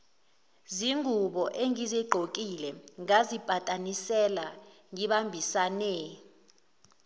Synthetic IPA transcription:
ziŋuɓɔʔeŋizɛɡ͡ǃʱokʼilɛŋazib̥ʱatʼanisɛla | ŋiɓambʱisanɛ

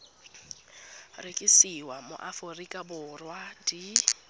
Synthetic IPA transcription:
rekʼisiwamʊ̰ʔaforikʼabʊrwadi

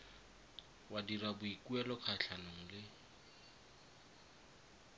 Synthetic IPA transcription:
wadirabʊikuɛlɔkʰaɬʰanoŋ̩lɪ

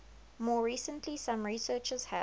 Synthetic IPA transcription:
mɔːɹiːsə̃ntʰlisãmɹisɜːt͡ʃəz̥hə

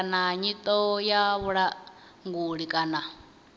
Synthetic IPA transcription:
naɲit̪ʼɔjaβuɺa | ŋɡuɺikʼana

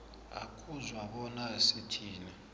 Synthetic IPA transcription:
a̰kʰuzwaɓɔnaesitʰiːnɛ

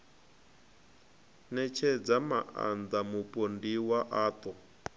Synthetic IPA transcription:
nɛt͡ʃʰɛd͡zamaʔa̰nd͡zamupʼondiwaʔaːt̪ʼɔ

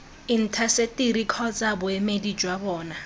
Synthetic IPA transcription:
in̩tʰasetʼiɾikʰɔt͡sʼabʊɛmedid͡ʒwabɔːna

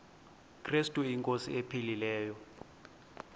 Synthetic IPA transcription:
kʰristʼuiŋkʼosḭepʰililɛːjɔ

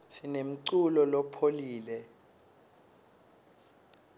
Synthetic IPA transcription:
sinem̩ǀulɔlɔpʰoliːlɛ

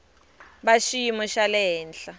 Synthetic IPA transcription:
baʃiimɔʃalɛɦɛːnɬa

